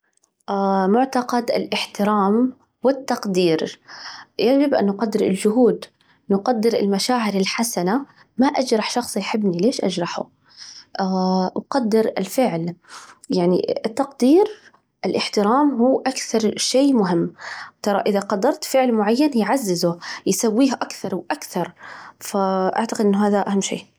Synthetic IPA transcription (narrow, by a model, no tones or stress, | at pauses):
ʔamʊʕt̪ɑqɑd̪ɪ̰lʔɪħt̪ɪɾaːm | wɪt̪ːɑqd̪iːɾ | jad͡ʒɪbʔa̰nːʊqɑd̪ːɪɾɪ̰ld͡ʒʊɦuːd̪ | nʊqad̪ːɪɾɪlmaʃaːʕɪɾɪlħasana | maʔad͡ʒɾˤɑħʃɑxsˤijħɪbːnileːʃʔa̰d͡ʒɾˤɑħʊ̰ | ʔawqɑd̪ːɪɾɪ̰lfɪʕljaʕnḭɪt̪ːɑqd̪iːɾ | ʔɪlʔɪħt̪ɪɾaːmɦuːʔakθɑɾˤʃeːmʊɦɪmːt̪ɑɾˤɑʔɪðaqɑd̪ːɑɾˤt̪fɪʕlmʊʕajːanjʕazːɪzʊjsawːiːɦʔakθɑɾˤwʔakθɑɾˤfaʔa̰ʕt̪aqɪd̪ʔɪnːɦaːðaʔahamːʃḛː